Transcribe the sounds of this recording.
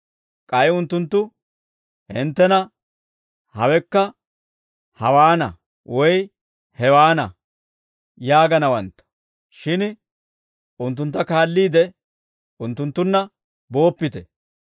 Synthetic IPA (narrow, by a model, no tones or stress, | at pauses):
kʼɐjʊnt̪ːʊnt̪ːʊ | hɪnt̪ːɛnɐ | hɐwɛkːɐ | hɐwaːnɐ̰ | wɔj | hɛwaːnɐ̰ | jaːɡɐnɐwɐnt̪ːɐ̥ | ʃɪn | ʊnt̪̬ːʊnt̪ːɐkaːlːiːd̪ɛ | ʊnt̪ːʊnt̪ːʊnːɐ | bo̞ːpːɪt̪ɛ